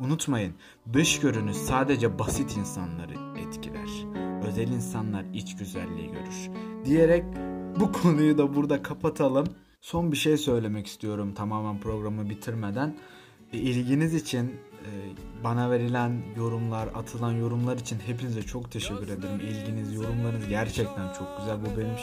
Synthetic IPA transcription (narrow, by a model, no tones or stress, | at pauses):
unut̪majɯn | d̪ɯʃɟø̞ɾynyz̥saːd̪e̞d͡ʒɛbasit̪ʰinsa̰nlˠa̰ɾɯ | ɛt̪cʰilʲæ̰ɾ̥ | ø̞zɛlʲinsanlˠaɾit͡ʃɟyzæ̰lʲːḭːɟø̞̰ɾyɾ̥d̪ije̞ɾɛc̚bukʰo̞nujud̪abuɾd̪akʰapʰat̪ʰalˠɯm | so̞nbiʃe̞jsø̞jlʲe̞mɛci̥st̪ʰijo̞ɾumt̪ʰamaːmænpʰɾo̞ɡɾamɯbit̪ʰiɾme̞d̪æn | ilʲɟinizit͡ʃʰinː | banave̞ɾilʲænjo̞ɾumlˠaɾa̰t̪ʰɯlˠanjo̞ɾumlˠaɾit͡ʃʰinɦe̞pinizɛt͡ʃʰo̞kt̪ʰe̞ʃɛcːyɾe̞d̪eɾimilʲɟinizjo̞ɾumlˠaɾɯnɯzɟæɾt͡ʃʰɛc̚t̪ʰænt͡ʃʰo̞k̚ɟ̥yzælʲbubenim